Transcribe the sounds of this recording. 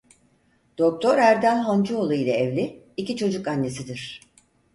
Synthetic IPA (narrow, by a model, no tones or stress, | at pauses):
d̪̥o̞k̚t̪ʰo̞ɾæɾd̪ænʲɦand͡ʒuolˠuilʲɛevlʲiː | cit͡ʃʰo̞d͡ʒukanːe̞sid̪iɾ̥